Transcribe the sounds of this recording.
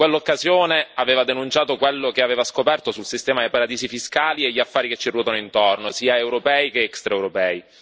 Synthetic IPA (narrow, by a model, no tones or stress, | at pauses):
welːokːazjoːneaveːvad̪enunt͡ʃaːt̪okwelːokeaveːvaskopɛrt̪osulsist̪ɛːmad̪epaɾad̪iːsifiskaːlieʎːiafːaːɾiket͡ʃːirɔːt̪anoint̪ornosiːaewɾopɛːikeɛkst̪ɾaewɾopɛːi